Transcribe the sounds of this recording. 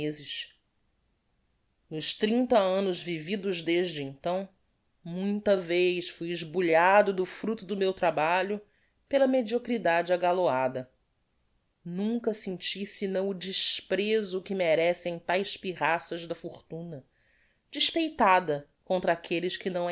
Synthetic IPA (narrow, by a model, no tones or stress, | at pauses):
ezɪʃ | nʊʃt̪ɾĩnt̪ɐɐ̃nʊʒvivid̪ʊʒd̪eʒd͡ʒɪẽnt̪ɐ̃w̃ | mũj̃t̪ɐvejʃfujɪʒbuʎad̪ʊd̪ʊfɾut̪ʊd̪ʊmewt̪ɾabaʎʊ | pelɐmed͡ʒiokɾid̪ad͡ʒɪaɡaload̪ɐ | nũŋkɐsẽnt͡ʃisɪnɐ̃w̃ʊd͡ʒiʃpɾezʊkɪmeɾɛsẽj̃t̪ajʃpiʁasɐʒd̪ɐfoχt̪ũnɐ | d͡ʒiʃpejt̪ad̪ɐkõnt̪ɾɐakʰelɪʃkɪnɐ̃w̃